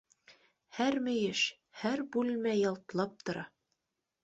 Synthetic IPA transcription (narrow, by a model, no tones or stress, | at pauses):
hæɾmɘ̆jɘʃ | hæɾbʉlmæjɑlˠt̪ɤ̆lˠɑp̚t̪ŏɾɑ